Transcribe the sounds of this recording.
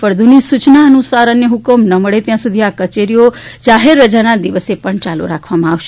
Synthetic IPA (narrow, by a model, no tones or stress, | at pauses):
fəɾd̪ʱunisut͡ʃnaənusaɾənːeɦukəmnəməɭet̪jãsud̪ʱiakət͡ʃeɾijod͡ʒaɦeɾːəd͡ʒanad̪iʋəsepəɳt͡ʃalṵɾakʰʋamãaʋʃe